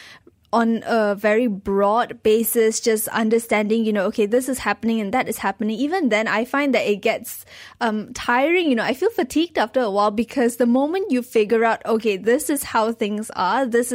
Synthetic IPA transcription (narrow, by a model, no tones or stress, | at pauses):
ʔɔ̃nəvɛɹibɹɔdbesɪsd͡ʒʌsã̰ndəstɛ̃ndɪ̃ŋjunookʰed̪ɪsɪshæpənɪ̃ŋɛ̃nd̪ɛtɪshæpənɪ̃ŋivə̃nd̪ɛ̃na̰ɪfãɪ̃nd̪ɛtɪt̚ɡ̥ɛtsʔʌ̃mtʰaɪəɹɪ̃ŋjunoʔaɪfilˠfətʰiɡ̚daftəəwaɪlˠbikʰɔsd̪əmõʊmə̃njufɪɡjəɹaʊtoked̪ɪsɪshaʊθɪ̃ŋsad̪ɪs